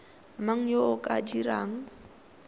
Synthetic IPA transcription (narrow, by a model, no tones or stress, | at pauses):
maŋ̩joʊkʼadiɾaːŋ̩